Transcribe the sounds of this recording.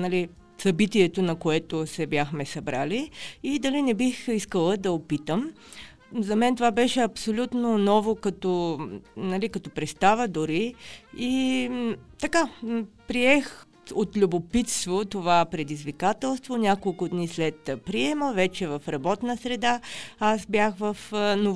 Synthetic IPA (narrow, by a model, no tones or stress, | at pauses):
nɐli | sɐbit̪iɛt̪onɐkoɛt̪osɛbjaxmɛsɐbɾaliːd̪ɐlinɛbixiskəlˠəd̪ɐopit̪əm | zɐmɛnt̪ovabɛʃɛɐpsolʲut̪nonɔvokɐt̪ɔnɐlikɐt̪ɔpɾɛst̪avəd̪ʊɾii | t̪ɐkapɾiɛx | ot̪lʲubopit̪st̪vot̪ovapɾɛd̪izvikat̪ɛlˠst̪vonʲakolˠkʊd̪nislɛt̪pɾiɛməvɛt͡ʃɛvɐfɾɐbɔt̪nəsɾɛd̪aasbjaxvəfno